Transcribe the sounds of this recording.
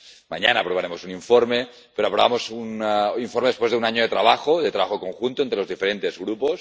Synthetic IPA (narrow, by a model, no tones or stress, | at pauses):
ma̰ɲanaːpɾoβaɾemosuniɱfoɾme | peɾoapɾoβamosuniɱfoɾmeðespwe̞zðeunaɲoet̪ɾaβaxoðet̪ɾaβaxokoŋxunt̪oent̪ɾelozðifeɾent̪ezɣɾupos